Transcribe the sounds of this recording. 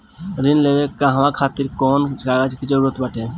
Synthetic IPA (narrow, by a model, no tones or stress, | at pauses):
ɾinlebekaɦəmakʰaːt̪iɾkɔːnkaɡad͡ʒkid͡ʒəɾuɾət̪bəʈʰe